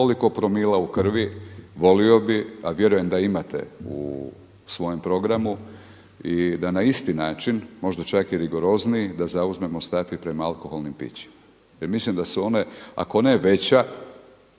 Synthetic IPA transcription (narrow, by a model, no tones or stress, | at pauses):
oliko̞pɾo̞miːlaukr̩ʋiʋo̞lio̞biaʋje̞ɾuje̞md̪aimat̪e̞̰ṵ | sʋo̞je̞mpɾo̞ɡɾamu | id̪anaist̪inaːt͡ʃinmo̞ʒd̪at͡ʃakiɾiɡo̞ɾo̞zniːd̪azauzme̞mo̞st̪afipɾe̞maalˠko̞xo̞lˠnimpḭt͡ɕi̥ma | jeɾmislimd̪asuo̞ne̞a̰ko̞ne̞ʋe̞t͡ɕa